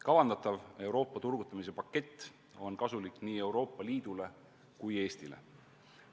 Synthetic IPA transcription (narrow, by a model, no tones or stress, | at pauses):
kɑvɑnd̪ɑt̪ˑɑve̞wɾo̞ːpːˑɑt̪urɡ̥ut̪ːˑɑmis̬e̞pɑkːˑe̞t̪ː | o̞nkɑsulikːniːe̞wɾo̞ːpːˑɑliːd̪̥ule̞ | kuje̞ːst̪ilḛ